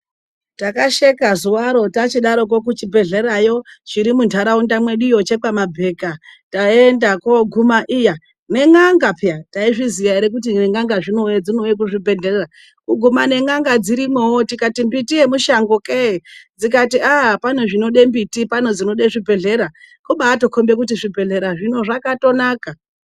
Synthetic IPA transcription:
takaʃekazuwaɾo̞tat͡ʃiɗaɾo̞k̬ok̬ut͡ʃibʱe̞ɮe̞ɾajo̞ʐiɾimuntʰaɾaundamwe̞ɗujot͡ʃe̞kamabʱe̞kataendako̞ɡʱumaʔija | ne̞ŋaŋɡapjataiʐizijaiɾek̬ut̬ieŋɡaŋɡaʐino̞jed͡zinojek̬uʐibʱe̞ɮerera | kuɡʱumane̞ŋaŋɡad͡ziɾimwewotikatimbitiemuʃaŋɡoked͡zikatiʔapan̤oʐino̞ɗe̞mbitipan̤od͡zino̞ɗeʐibʱe̞ɮe̞ɾa | koɓaːto̞kʰo̞mbe̞k̬utiʐibʱe̞ɮe̞ɾaʐino̞ʐakato̞naːka

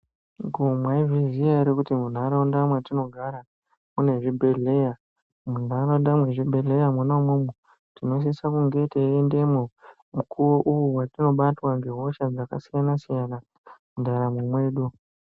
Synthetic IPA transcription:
ɡʱomwaivizijaiɾikutimun̤aɾaundamwatino̞ɡʱaɾa | mune̞ʐibʱe̞ɮe̞ja | mun̤aɾondamwe̞ʐibʱe̞ɮe̞jamunaumumu | tino̞s̬isakuŋɡe̞teende̞mo | mukʰuwo̞ʔujuwatino̞ɓatwaŋɡeɦo̞ʃad͡zakasijanasijana | mundaɾamumwe̞ːɗu

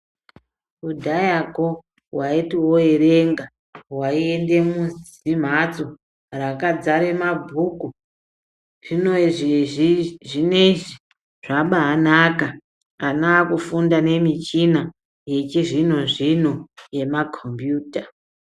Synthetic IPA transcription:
udʱajako̞ | waitiwo̞e̞ɾe̞ŋɡa | waiende̞muz | im̤at͡so̞ | rakad͡zaɾe̞mabʱuːku | ʐinoʐiiʐineʐi | ʐ̥aɓaːnaka | anaːkufundane̞mit͡ʃina | je̞t͡ʃiʐino̞ʐino̞je̞makʰombjuːta

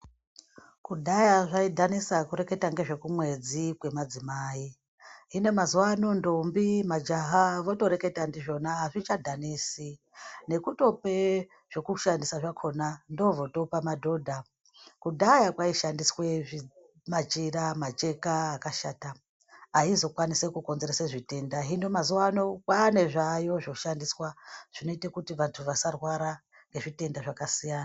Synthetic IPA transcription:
kuɗajaʐaidʱanisakuɾe̞ke̞taŋɡe̞ʐe̞kumwe̞d͡zikwe̞mad͡zimaːi | ine̞mazuwano̞ndombimad͡ʒaɦaʋo̞to̞ɾe̞ke̞tandiʐo̞naɦaʐit͡ʃadʱanisi | ne̞kuto̞pe̞ | ʐ̥e̞kuʃandisaʐakʰo̞nando̞vo̞to̞pamadʱo̞dʱa | kudajakwaiʃandisweʐi | mat͡ʃiɾamat͡ʃe̞kaːkaʃaːtaː | izo̞kwanisekuko̞nze̞ɾeseʐite̞ndaɦinomazuwano̞kwane̞ʐajo̞ʐoʃandiswaʐ̥ino̞itekutiʋantʰuʋasarwaɾa | ŋɡe̞ʐite̞ndaʐakasijaːna

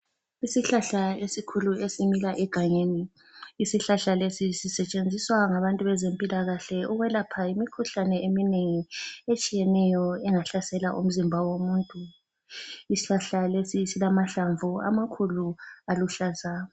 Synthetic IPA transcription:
isiɬaɬaesikʰuluesimilaʔɛɡ̥ʱaɲeːniː | siɬaɬalesisisɛt͡ʃʼend͡zʱiswaŋaβantʼuβɛzempʼilaɣaɬɛuɣwɛlapʰaimikʰuɬanɛemineŋiet͡ʃʼijɛnɛjɔɛŋaɬasɛlaʔṵm̩zimbʱawomuntʼu | isi̥ɬaɬalesisilamaɬaɱvua̰makʰulualuɬaza

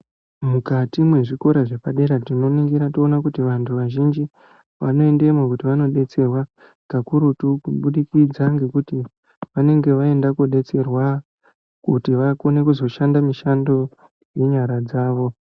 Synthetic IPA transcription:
mukatimwe̞ʐiko̞ɾaʐe̞paɗe̞ɾatino̞niŋɡiɾato̞ːnakutiʋantʰuʋaʒind͡ʒi | ʋano̞e̞ndemwakutiʋano̞ɗe̞t͡se̞rwa | ɡ̥akuɾutukuɓuɗikid͡zaŋɡe̞kuti | ʋane̞ŋɡe̞ʋae̞ndakuɗe̞t͡se̞rwa | kutiʋako̞ne̞kuzo̞ʃandamiʃando̞ | je̞ɲaɾad͡zaːʋo̞

